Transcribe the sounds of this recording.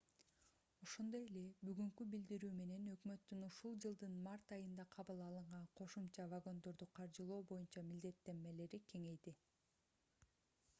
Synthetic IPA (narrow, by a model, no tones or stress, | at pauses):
o̞ʃo̞nd̪o̞je̞le̞byɡyŋkybild̪iɾyːme̞ne̞nø̞kmø̞t̪ːynuʃulˠd͡ʒɯlˠd̪ɯnmɑrt̪ɑjɯnd̪ɑqʰɑβɯlˠɑlˠɯɴʁɑɴqʰo̞ʃumt͡ʃɑvaɡo̞nd̪o̞ɾd̪uqʰɑɾd͡ʒɯlˠo̞ːbo̞junt͡ʃɑmild̪e̞t̪ːe̞nme̞le̞ɾikʰe̞ŋe̞jd̪i